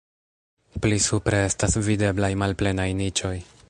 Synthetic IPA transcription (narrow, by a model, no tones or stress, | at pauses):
plisupɾe̞e̞stasvide̞blajmalple̞najnit͡ʃo̞j